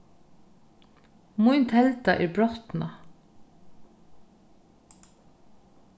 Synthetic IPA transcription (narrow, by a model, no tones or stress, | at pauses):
mujnt̪ʰhɛlt̪aʔɛɹbɾɔht̪na